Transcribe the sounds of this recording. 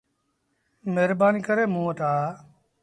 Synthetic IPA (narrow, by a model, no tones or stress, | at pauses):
meɾbaːniːkəɾeːmũːət̪aː